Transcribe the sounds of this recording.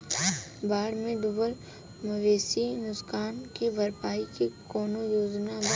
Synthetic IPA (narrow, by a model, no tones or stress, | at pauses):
baːɽmẽd̪ʊbəl | mɐʋeːsinʊskaːnkebɐɾpaːikekɔːnojoːznab